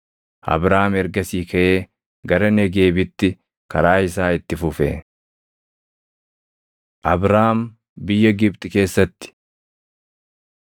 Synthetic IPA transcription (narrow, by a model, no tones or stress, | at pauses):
ʔɐ̰bɾaːmɛɾɡɐsiːkɐʔe̞ː | ɡɐɾɐnɛɡe̞ːbɪt̪ːɪ | kɐɾaːɪsaːɪt̪ːɪfʊfɛ̰ | ʔɐbɾaːm | bɪjːɐɡɪbt̪ʼɪke̞ːsːɐt̪ːɪ̥